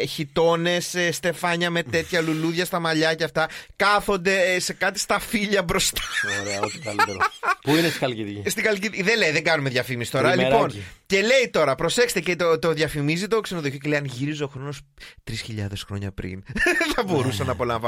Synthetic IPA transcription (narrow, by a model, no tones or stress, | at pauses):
çit̪o̞ne̞sst̪e̞fɐɲɐme̞t̪e̞t̪çɐluluðʝɐst̪ɐmɐʎɐceɐft̪ɐkɐθo̞nd̪e̞se̞kɐt̪i̥st̪ɐfiʎɐbɾo̞st̪ɐ̥oɾeɐoçkɐlit̪eɾpuinest̪ixɐlkiðʝɐst̪ixɐlciðiðelejðeŋɡɐnume̞ðʝɐfimisi̥st̪o̞ɾɐɐlmiponce̞le̞jt̪o̞ɾɐpɾo̞se̞kse̥t̪ecet̪ot̪oðʝɐfimizit̪oksenoðoçocelejɐnʝiɾiso̞xɾo̞no̞st̪ɾisçiʎɐ̰ðesxɾo̞̰ɲɐ̰pɾḭnθɐbo̞ɾusɐnɐːpo̞lɐɱvɐ